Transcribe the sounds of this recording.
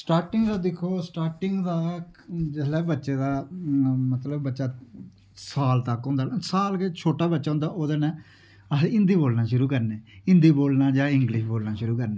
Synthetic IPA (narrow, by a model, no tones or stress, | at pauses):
sʈaːɾʈɪŋɡd̪aːd̪ɪkʰːoːsʈaːʈɪŋɡd̪aːd͡ʒəlɛːbətːʃeːd̪aː | mət̪ləbːətːʃaː | saːlt̪əkɦõːnd̪aːsaːlket͡ʃʰoːʈaːbətːʃaːɦʊ̃nd̪aːʔoːd̪aːnɛ̃ː | əsẽɪ̃nd̪iːboːlnaːʃʊɾuːkəɾneːɪ̃nd̪iːboːlnaːd͡ʒãːɪ̃ŋɡlɪʃboːlnaːʃʊɾuːkəɾneː